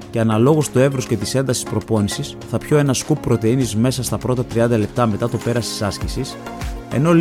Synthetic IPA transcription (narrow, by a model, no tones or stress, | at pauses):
ce̞ɐnɐlo̞ɣost̪ue̞vɾosce̞t̪ise̞nd̪ɐsi̥spɾo̞po̞nisisθɐpço̞e̞nɐskupːɾo̞t̪einizme̞sɐst̪ɐpɾo̞t̪ɐt̪ɾiɐnd̪ɐle̞p̚t̪ɐme̞t̪ɐt̪o̞pe̞ɾɐst̪i̥sɐscisise̞̰no̞